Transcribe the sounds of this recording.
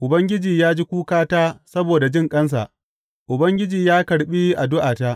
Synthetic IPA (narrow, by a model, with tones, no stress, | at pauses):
ʔʊ˨bɐ˦ŋɡʲɪ˦d͡ʒiː˨jaː˦d͡ʒiː˦kʷuː˦kaː˦taː˦sɐ˦boː˨da˨d͡ʒɪ˦˨ŋkʼɐ˦ns̬a̰˨ | ʔʊ˨bɐ˦ŋɡʲɪ˦d͡ʒiː˨jaː˦kɐ˨ɽɓiː˦ʔa˨dʊ˦ʔaː˨taː˦ʔ